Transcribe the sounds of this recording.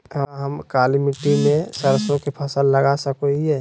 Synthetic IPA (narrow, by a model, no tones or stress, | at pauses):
ɦəmkaːlimɪʈimẽsəɾsõkepʰɐsəlːəɡasəkoiɦɛː